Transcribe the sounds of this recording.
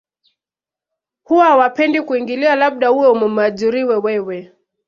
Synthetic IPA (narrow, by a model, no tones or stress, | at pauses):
huwaawapɛndikuiŋɡilialaɓ̚ɗahuwɛumum̩aʄuɾiwɛwɛwɛ